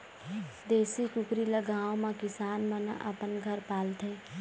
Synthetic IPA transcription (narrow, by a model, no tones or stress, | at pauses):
d̪eːsit͡ʃʊkɾiləɡaːõmẽkɪsaːnmə̃na̰ʔə̰pənɡʱəɾpaːlt̪e